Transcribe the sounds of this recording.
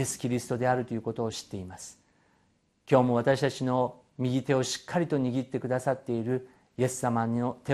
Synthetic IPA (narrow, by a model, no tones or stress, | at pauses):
e̞sɨ̥kʲiɾʲisɨ̥t̪o̞d̪e̞aɾɯ̟t̪o̞jɯ̟ko̞t̪o̞ːɕi̥t̪ːe̞imasɨ̥ | kʲo̞ːmo̞βat̪aɕi̥t̪at͡ɕino̞ | mʲiɡʲit̪e̞o̞ɕi̥kːaɾʲit̪o̞ɲ̟iɡʲit̪ːe̞kɯ̟d̪asat̪ːe̞iɾɯ̟ | je̞sɨ̥samaot̪e